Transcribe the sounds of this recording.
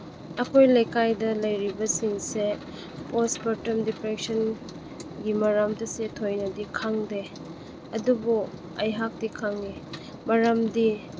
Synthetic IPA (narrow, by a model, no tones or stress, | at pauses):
ɐkʰojlɐjkajdɐlɐjɾibɐsiŋse | posbɐɾtɐmdipɾek̚sɐn | ɡimɐɾɐmdɐsetʰojnɐdikʰaŋde | ɐdubu | ɐjɦak̚tikʰaŋe | mɐɾɐmdi